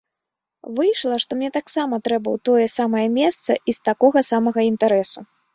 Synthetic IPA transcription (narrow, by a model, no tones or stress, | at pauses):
vɨjʂlˠɐʂt̪ɔmnʲɛt̪aksamɐt̪ɾɛbɐwt̪ɔjɛsamɐjɐmʲɛst̪sɐ̰ʔist̪akɔɣɐsamɐɣɐint̪aɾɛsu